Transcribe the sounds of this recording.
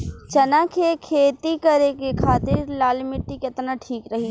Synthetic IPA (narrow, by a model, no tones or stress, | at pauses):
t͡ʃɐnakʰekʰeːt̪ikɐɾekekʰaːt̪ɪɾlaːlmɪʈːikɪt̪naʈʰiːkɾɐɦi